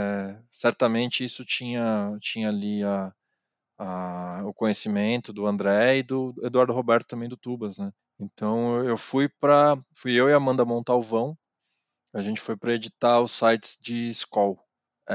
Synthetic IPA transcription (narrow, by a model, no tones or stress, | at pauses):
ɛsɛɾt̪ɐmẽnt͡ʃɪisʊt͡ʃĩɲɐt͡ʃĩɲɐːliɐː | ʊkõɲesimẽnt̪ʊd̪ʊɐ̃nd̪ɾɛɪd̪ʊed̪uaɾd̪ʊɦobɛɾt̪ʊt̪ɐ̃mbẽj̃d̪ʊt̪ubɐsnɛ | ẽnt̪ɐ̃w̃ewfujpɾɐfujewɪamɐ̃nd̪ɐmõt̪aʊvɐ̃w̃ | aʒẽnt͡ʃɪ̥fojpɾɐed͡ʒit̪aʊsajt͡ʃɪ̥sd͡ʒɪskɔw